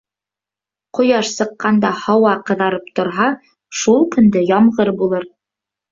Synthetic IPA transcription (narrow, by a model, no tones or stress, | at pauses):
qŏjɑʃsɤ̆qːɑnd̪ɑhɑwɑqɤ̆ðɑɾɤp̚t̪ŏɾɦɑ | ʃulˠkɵ̆nd̪ɘjɑmʁɤɾbulˠɤɾ